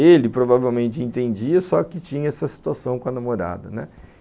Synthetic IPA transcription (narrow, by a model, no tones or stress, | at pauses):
elɪpɾovavewmẽnt͡ʃɪẽnt̪ẽnd͡ʒiɐsɔkɪt͡ʃĩɲɐɛsɐsi̥t̪uasɐ̃w̃kõɐnamoɾa̰d̪ɐnɛ